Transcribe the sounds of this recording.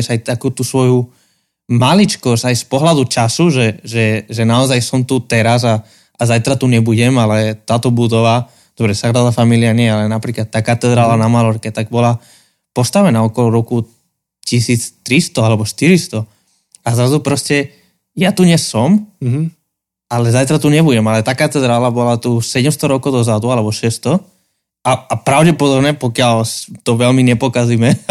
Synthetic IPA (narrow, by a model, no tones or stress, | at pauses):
ɛʃajt̪akuːt̪usʋɔju | malit͡ʃkɔsajspɔɦlad̪ut͡ʃasuʒɛʒɛʒɛnaɔzajsɔmt̪ut̪ɛɾaza | azajt̪ɾat̪uɲɛbuɟɛmalɛt̪aːt̪ɔbud̪ɔʋa | d̪̥ɔbɾɛsakɾaʋafamiliaɲɪɛjalɛnapɾiːklat̪ːaːkat̪ɛd̪ɾaːlanamalɔɾkɛt̪aɡ̚bɔla | pɔst̪aʋɛnaɔkɔlɔɾɔku | cisiːt͡st̪ɾist̪ɔalɛbɔʃt̪iɾist̪ɔ | azɾazupɾɔscɛ | jat̪uɲɛsɔm | alɛzajt̪ɾat̪uɲɛbuɟɛmalɛt̪aːkat̪ɛd̪ɾaːlabɔlat̪usɛɟɛmst̪ɔɾɔkɔʊd̪ɔzad̪ualɛbɔʃɛst̪ɔ | aapɾaʊɟɛpɔd̪ɔbnɛpɔkɪalt̪ɔʋɛlmiɲɛpɔkazimɛ